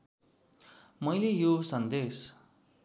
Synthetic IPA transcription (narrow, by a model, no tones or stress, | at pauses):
mʌjlejosʌnd̪es